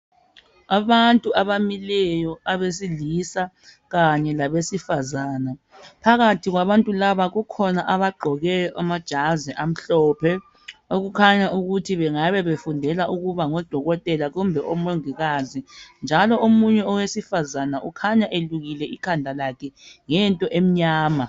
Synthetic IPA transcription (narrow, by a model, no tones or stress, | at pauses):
aβantʼuaβamilɛjɔaβes̬ilisa | ɣaɲɛlaβesifazaːna | pʰaɣatʰiɣwaβantʼulaβaɣukʰɔnaʔaβaɡ͡ǃʱɔɣɛamad̥ʒ̥ʱazɛʔam̩ɬɔːpʰɛ | oɣukʰaɲaʔuɣutʰiβɛŋaβɛβefundʱɛlaʔuɣuβaŋɔd̥ʱɔɣɔtʼɛlaɣumbʱɛʔɔmoŋiɣazind͡ʒʱalɔomuɲɛɔwesifazanaʔukʰaɲaʔeluɣilɛikʰandʱalakʰɛŋɛntʼɔʔem̩ɲaːma